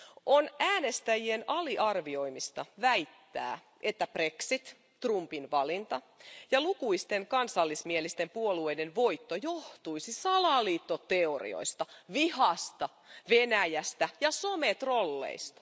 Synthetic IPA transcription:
ʔonæːnest̪æjienɑliʔɑrʋio̞imist̪ɑʋæijt̪ːæ̰ː | ʔet̪ːæpreksit̪ː | rumpinʋɑlint̪ɑ | jɑlukuist̪eŋkɑnsɑlːismielist̪empuolueidenʋoit̪ːojoht̪uisisɑlɑliːt̪ːot̪eorḭo̰ist̪ɑʋihɑst̪ɑ | ʋenæjæst̪æjɑsomet̪ro̞lːḛist̪ɑ̥

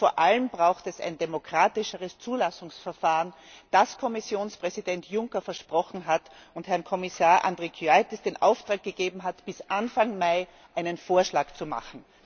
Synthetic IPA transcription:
foːɐʔaləmbʁaʊxtɛsa̰ɪndemokʁ̥aːtɪʃəʁəst͡suːlasʊŋsfɛɐfaːʁən | d̥askʰɔmɪsjoːnspʁ̥ɛzidɛntʰjʊŋkɐfɛɐʃpʁ̥ɔxn̩ɦatʊnthɛɐnkʰɔmɪsaːɐʔa̰ndʁekʰyaɪtɪsd̥eːnʔa̰ʊftʁ̥aːk̚ɡ̥əɡeːbm̩ɦatb̥ɪsʔanfaŋmaɪ | ʔaɪnənfoːɐʃlaːkt͡suma̰χn̩

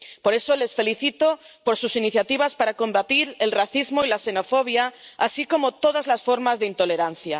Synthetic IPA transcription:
po̞ɾe̞sole̞sfe̞liθit̪opoɾsusiniθjat̪iβ̞aspaɾakõ̞mbat̪iɾe̞lraθizmoilase̞no̞foβ̞jaasiko̞mot̪oðazlasfo̞ɾmazðeint̪o̞le̞ɾan̟θja

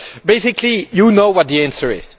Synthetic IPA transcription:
beɪsɪkʰlijunoʊwʌt̪̚d̪iæ̃nsə˞ɪ̰z̥

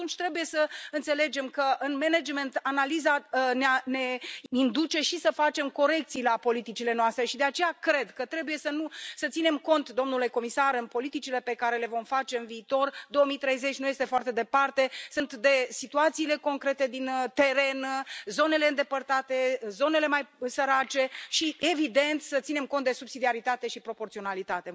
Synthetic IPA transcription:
tunt͡ʃʲt̪ɾe̞buje̞səɨnt̪se̞le̞d͡ʒe̞mkəʔɨnmened͡ʒme̞nt̪analizaneane̞ind̪ut͡ʃe̞ʃisəfat͡ʃe̞mko̞ɾe̞kt̪sijlapo̞lit̪it͡ʃile̞noast̪ɾe̞ʃid̪eat͡ʃe̞jakɾe̞d̪kət̪ɾe̞buje̞sənusət̪sine̞mko̞nt̪d̪o̞mnuleko̞misaɾɨnpo̞lit̪it͡ʃile̞pe̞kaɾe̞le̞vo̞mfat͡ʃe̞ɨnviːt̪o̞rd̪o̞omit̪ɾe̞jze̞t͡ʃʲnuje̞st̪efoart̪e̞d̪e̞part̪e̞sɨnt̪d̪e̞sit̪uat̪siːle̞ko̞ŋkɾe̞t̪e̞d̪int̪e̞ɾe̞nzo̞ne̞le̞ɨnd̪e̞pərt̪at̪e̞zo̞ne̞le̞majsəɾat͡ʃe̞ʃie̞vid̪e̞nt̪sət̪sine̞mko̞nt̪d̪e̞subsid̪iaɾit̪at̪e̞ʃipɾo̞po̞rt̪sionalit̪at̪e̞

